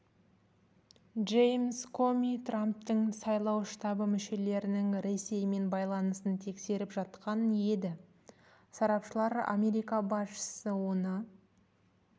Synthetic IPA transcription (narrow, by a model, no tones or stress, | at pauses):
ʒejmskʰo̞mʲit̪ramp̚t̪əɴsɑjlˠɑwʃt̪ɑbəmʏʃe̞le̞ɾɪnɪŋɾe̞sːe̞jme̞nbɑjlˠɑnəsənt̪ʰe̞kse̞ɾɪpʒɑt̪qɑnje̞d̪ɪ | sɑɾɑpʃəlˠɑɾa̰mʲe̞ɾijkabɑsʃə̥səwo̞nə